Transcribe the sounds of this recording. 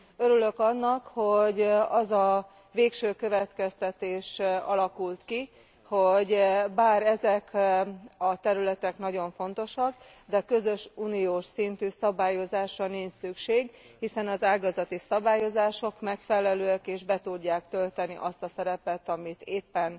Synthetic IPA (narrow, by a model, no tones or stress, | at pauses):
ø̞ɾylø̞kɒnːɒkho̞ɟɒzɒ | veːkʃøːkø̞vɛt̪kɛst̪ɛt̪eːʃɒ̰lɒkult̪ki | ho̞ɟbaːɾɛzɛk | ɒt̪ɛɾylɛt̪ɛknɒɟo̞ɱfo̞n̪t̪o̞ʃɒɡ | d̪ɛkø̞zø̞ʃuːnijoːʃsint̪yːsɒbaːjo̞zaːʃrɒniɲt͡ʃsykʃeːɡ | hisɛnɒzaːɡɒzɒt̪isɒbaːjo̞zaːʃo̞kmɛkfɛlɛløːɛkeːʒbɛt̪uɟːaːkt̪ølt̪ɛnḭʔɒst̪ɒsɛɾɛpɛt̪ɒmit̪eːpːɛn